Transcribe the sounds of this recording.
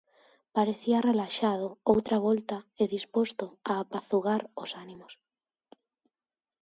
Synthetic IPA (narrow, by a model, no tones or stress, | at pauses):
paɾeθiarelaʃaðʊowt̪ɾaβ̞ɔlt̪aeðispost̪ʊaːpaθuɣaɾosanimʊs